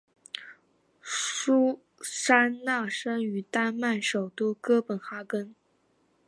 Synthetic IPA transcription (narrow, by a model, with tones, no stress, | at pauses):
ʂu˥ | sa˥na˥˩ʂa˥ny˨˩t̪a˥˧nma˥˩nʂo˨˩ʊt̪u˥˩kɤ˥pə˨˩nxa˥kə˥n